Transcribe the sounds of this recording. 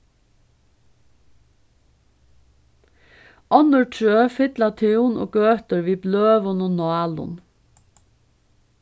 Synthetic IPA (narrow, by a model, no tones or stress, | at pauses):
ɔnəɹʈʰɹøːfɪd̪lɑt̪ʰɪːuːnʔo̰ːɡ̥øːt̪əɹʋiːbløːʋɔnʊnɔɑːlʊ̰n